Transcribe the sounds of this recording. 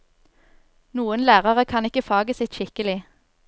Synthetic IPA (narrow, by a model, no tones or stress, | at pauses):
nuːənlæːʁəʁəkʰɑnɪkəfɑːɡəsɪt̪ʃɪkəlɪ